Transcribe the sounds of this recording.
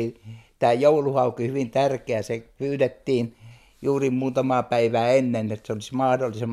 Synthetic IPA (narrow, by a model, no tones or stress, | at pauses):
it̪æːjouluhɑukihyʋint̪ærkeæsepyːret̪ːiːn | juːrimmuːt̪ɑmɑːpæiʋæːenːenet̪seolismɑːdolːisem